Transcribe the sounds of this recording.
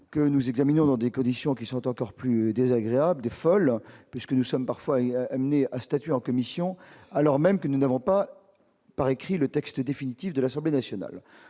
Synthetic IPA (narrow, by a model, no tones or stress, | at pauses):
kənuzɛɡzaminɔ̃d̪ɑ̃d̪ekɔ̃d̪isjɔ̃kʲisɔ̃t̪ɑ̃kɔʁplyd̪ezaɡʁeabld̪efɔlpɥiskənusɔmpaʁfwaamneast̪at̪ɥeɑ̃kɔmisjɔ̃alɔʁmɛmkənunavɔ̃pa | paʁekχilət̪ɛkst̪d̪efinit̪ifd̪əlasɑ̃blenasjɔna̰l